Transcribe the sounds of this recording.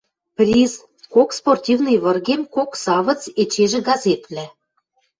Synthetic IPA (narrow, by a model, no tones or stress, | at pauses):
prʲiz | koksportʲivnɨjβɤ̆rɣemkoksɑβɤ̆t͡set͡ɕeʒĕɡɑzet̪βlʲæ